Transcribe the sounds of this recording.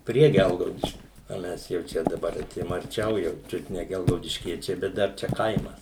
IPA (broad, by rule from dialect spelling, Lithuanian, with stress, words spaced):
ˈpʲrʲiɛ ˈɡʲɛlˠɡɐʊdʲɪʃʲkʲʊ oː ˈmʲɛs jɛʊ ˈt͡ʃʲɛ dɐˈbɐr ɐˈtʲeːjoːm ɐrʲˈt͡ʃʲɛʊ jɛʊ ˈt͡ʃʲʊt nʲɛ ɡʲɛlˠɡɐʊdʲɪʃʲˈkʲiɛt͡ʃʲɛɪ bʲɛt ˈdɐr ˈt͡ʃʲɛ ˈkɐɪmɐs